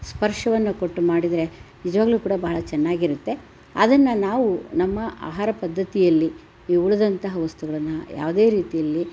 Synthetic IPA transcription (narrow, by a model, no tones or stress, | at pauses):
spɐɾʂɐʋɐnːɐko̞ʈːumaːɽid̪ɾe̞nid͡ʒɐʋaːɡluːkuːɽɐbaɦɐɭɐt͡ʃɛnːaːɡiɾut̪ːe̞ | ɐ̰d̪ɐnːɐnaːʋunɐmːɐʔa̰ːɦaːɾɐpɐd̪ʱːɐt̪ijɐlːiː | uɭɐd̪ɐnt̪ɐɦɐʋɐst̪uɡɐɭɐnːɐja̰ːʋd̪e̞ːɾiːt̪ijɐlːi